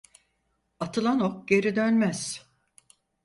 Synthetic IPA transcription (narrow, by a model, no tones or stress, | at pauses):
at̪ʰɯlˠanok̚ɟe̞ɾid̪ønmæz̥